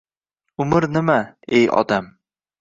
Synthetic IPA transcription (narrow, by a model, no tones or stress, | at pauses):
ʊmɪɾnɪmaejɒ̰d̪am